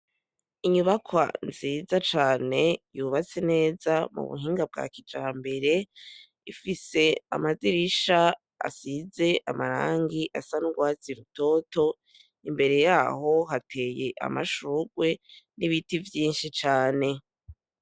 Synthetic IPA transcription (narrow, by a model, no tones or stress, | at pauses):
iɲuβakʰwa̰nziːzat͡ʃaːne̞juːβat͡se̞ne̞ːzamṵβṵɦiːŋɡab̚ɡa̰ːkid͡ʒaːmbe̞ɾe̞ | ifise̞a̰maziɾiʃa | a̰size̞ʔamaɾa̰ːŋɡiʔasanuɡwaːziɾuto̞ːto̞ | imbe̞ɾe̞jaːho̞ɦatʰe̞ːje̞ʔa̰maʃuɡwe̞niβitivjiːnʃit͡ʃaːne̞